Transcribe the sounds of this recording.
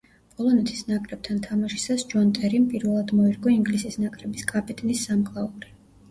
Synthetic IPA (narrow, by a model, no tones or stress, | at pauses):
pʼɔlˠɔnɛt̪ʰi̥snakʼɾɛb̥̚t̪ʰant̪ʰamaʃi̥sasd͡ʒɔnt̪ʼɛɾimpʼiɾvɛlˠad̪mɔiɾɡɔiŋɡlisisnakʼɾɛbiskʼapʰʼɛt̪ʼnisːamkʼlˠauɾi